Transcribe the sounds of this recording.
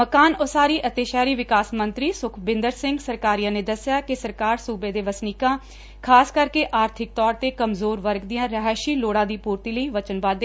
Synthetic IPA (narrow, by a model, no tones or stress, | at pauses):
məkaːnoːsaːɾiːʔət̪eːʃaːɾiːʋɪkaːsmə̃nt̪ɾiːsʊkʰbɪ̃nd̪əɾsɪŋɡsəɾkaːɾijãːneːd̪əsɪjaːkɪsəɾkaːɾsuːbeːd̪eːʋəsniːkãː | kʰaːskəɾkeːʔaːɾt̪ʰɪk̚t̪ɔːɾt̪eːkəmzoːɾʋəɾɡd̪ɪjãːɾəɦɛːʃiːloːɽãːd̪iːpuːɾt̪iːləiːʋət͡ʃənʋaːd̪e